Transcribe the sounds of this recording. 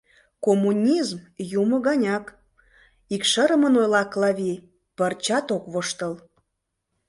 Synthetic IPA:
komːunʲizmjumə̆ɣɑnʲɑk | ikʃəɾəmənojlɑklɑβʲi | pərt͡ɕɑt̪okβoʃt̪əl

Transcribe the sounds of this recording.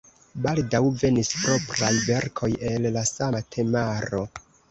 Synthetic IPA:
baldawve̞nispɾo̞pɾajbe̞ɾkʰo̞je̞lːasamatʰe̞maɾo̞

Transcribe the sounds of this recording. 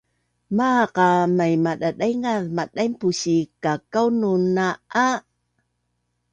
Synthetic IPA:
maqamajmaɗaɗajŋaðmaɗajmpuɕikakawnunaa

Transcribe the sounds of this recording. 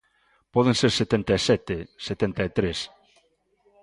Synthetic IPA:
pɔð̞enseɾset̪ent̪aesɛt̪eset̪ent̪aet̪ɾes

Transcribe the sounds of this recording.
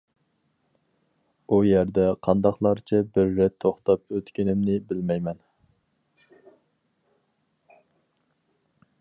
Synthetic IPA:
ujæɾd̪ɛqʰɑnd̪ɑχlˠɑɾt͡ʃʰɛbɪɾːɛt̪ʰːoχt̪ɑp̚øt̪kʲɪnɪmnɪbɪlmɛjmɛn

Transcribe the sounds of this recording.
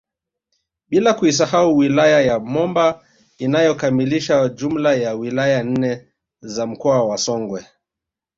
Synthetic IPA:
ɓilakuis̬ahauwilajajamɔmba | inajɔkamiliʃad͡ʒum̩lajawilajan̩nɛ | zam̩kɔawasɔŋɡwɛ

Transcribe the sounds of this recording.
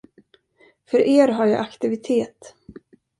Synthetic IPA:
fœɾʔeːɾɦaɾja̰ʔakt̪ɪvɪt̪ʰeːt̪

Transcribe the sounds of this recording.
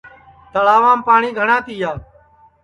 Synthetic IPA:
t̪əlaːʋãːmpaːɳiːɡʱəɳãːt̪iːjaː

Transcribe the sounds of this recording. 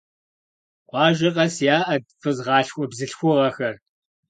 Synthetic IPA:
qʷɑːʒɪqʼɐsjaːʔɐdfʰɨzʁɑːɬxʷʼɔbzɨɬxʷʊʁɐxɐr

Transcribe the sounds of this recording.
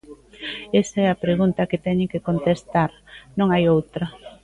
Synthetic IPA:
esɐɛɐpɾeɣunt̪ɐkɪt̪ɛɲɪkekont̪est̪aɾnõŋajowt̪ɾɐ

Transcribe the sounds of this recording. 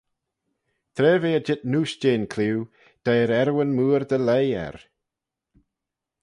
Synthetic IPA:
t̪ʰɾɛːviːəd͡ʒɪt̪̚nuːsd͡ʒeːnkʰliw | d̪̥ajɾɛɾwənmuːɾd̪əlejɛ̰ɾ

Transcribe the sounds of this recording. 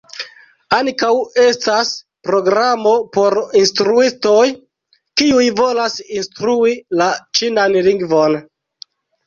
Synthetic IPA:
aŋkawe̞stas | pɾo̞ɡɾamo̞po̞ɾinstɾuisto̞j | kiujvo̞lasinstɾuilat͡ʃinanliŋɡvo̞n

